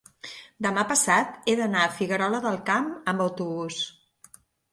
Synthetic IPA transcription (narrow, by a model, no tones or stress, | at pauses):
d̪əmapəsat̪eðənaəfiɣəɾɔləðəlˠkaməmbəwt̪uβus